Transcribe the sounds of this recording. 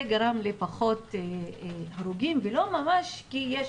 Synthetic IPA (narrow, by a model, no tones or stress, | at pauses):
ɡaɾamlepaχo̞teaɾuɡimvelo̞mamaʃkijeʃ